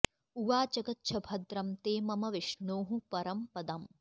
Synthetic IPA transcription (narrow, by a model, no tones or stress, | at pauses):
uʋaːt͡ʃɐɡɐt̪ʃʰɐbʱɐd̪ɾɐmt̪eːmɐmɐʋiʂɳoːɦupɐɾɐmpɐd̪ɐm